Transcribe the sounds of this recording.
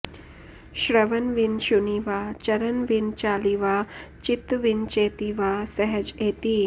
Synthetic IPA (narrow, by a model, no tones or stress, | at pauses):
ɕɾəʋənʋinɕuniʋat͡ɕɐɾənʋint͡ʃaːliʋat͡ʃit̪ʋint͡ɕeːt̪iʋasəɦəd͡ʒeːt̪i